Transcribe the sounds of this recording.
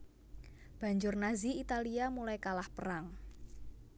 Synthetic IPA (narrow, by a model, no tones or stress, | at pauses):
b̥a̤ɲd͡ʒʊrnaziit̪aliamulajkalahpəɾaŋ